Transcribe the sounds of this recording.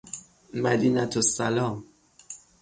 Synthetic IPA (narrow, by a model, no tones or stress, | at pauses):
mæd̪iːnæt̪ʰosːalɒːm